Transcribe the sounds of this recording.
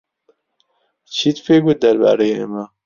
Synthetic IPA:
t͡ɕʰit̪feɡud̪ɐɾba̰ɾejemɐ

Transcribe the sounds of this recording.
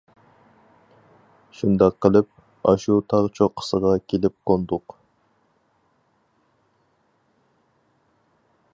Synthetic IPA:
ʃund̪ɑqʰːəlˠɨp̚ | ɑʃut̪ʰɑʁt͡ʃʰoqʰːə̥səʁɑkʲʰelɪp̚qʰond̪ʊq

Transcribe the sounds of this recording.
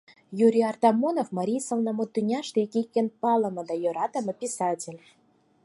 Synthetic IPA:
juɾʲiɑrt̪ɑmonofmɑɾʲijsɤ̆lnəmot̪ːynʲɑʃt̪ekikʲːĕnpɑlɤ̆mɤ̆d̪ɑjoɾɑt̪ə̆mɤ̆pʲisɑtʲelʲ

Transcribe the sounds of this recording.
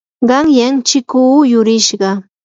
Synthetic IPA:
ɢɑŋjant͡ʃɪkuːjʊɾɪʃɢɑ

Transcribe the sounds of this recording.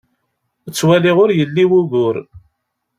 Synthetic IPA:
ət͡sːwæliʁʊɾjəlːiwuɣʊɾ

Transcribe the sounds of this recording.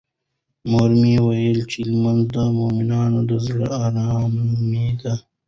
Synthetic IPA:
moɾmiwɐjəlt͡ʃilmɐnzd̪amominɑːnod̪ɐzɽaaːɾɑːmid̪a

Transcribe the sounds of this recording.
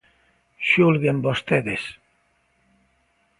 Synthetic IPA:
ʃulɣembost̪eðes

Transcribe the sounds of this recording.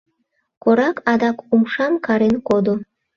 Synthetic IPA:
koɾɑkʰɑd̪ɑkumʃɑmkɑɾenkod̪o

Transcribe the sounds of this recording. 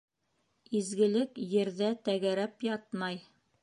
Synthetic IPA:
izɡɘ̆lɘkjɘ̆ɾðæt̪æɡæɾæpjɑt̪mɑj

